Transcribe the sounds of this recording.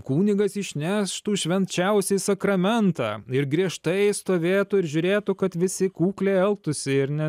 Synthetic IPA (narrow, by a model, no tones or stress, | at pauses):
kuːnʲɪɡɐsɪʃʲnʲæːʃt̪uːʃʲʋʲɛnʲt͡ʃʲɛʊsʲisɐkɾɐmʲɛnt̪ɑ̰ːɪɾɡɾʲiɛʃt̪ɐɪst̪oːʋʲeːt̪ʊɪɾʒʲʊɾʲeːt̪ʊkɐt̪ʋʲɪsʲɪkuːklʲeːɛlˠp̚t̪ʊsʲɪɪɾnʲɛ